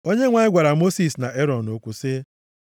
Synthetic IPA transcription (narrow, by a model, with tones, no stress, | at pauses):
o˦ɲe˦ŋʷa˨ɪ˦ɡʷa˨ɾa˨mo˦si˨sna˨ʔe˦ɾɔ˨no˨kʷu˨sɪ˦